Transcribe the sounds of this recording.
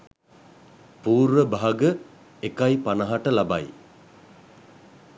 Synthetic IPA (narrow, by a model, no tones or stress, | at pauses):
puːɾʋəbaɦaɡə | ekajpanɐɦaʈəlabaj